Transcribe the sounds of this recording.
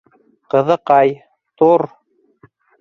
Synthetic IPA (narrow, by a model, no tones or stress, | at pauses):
qɤ̆ðɤqɑj | t̪uɾ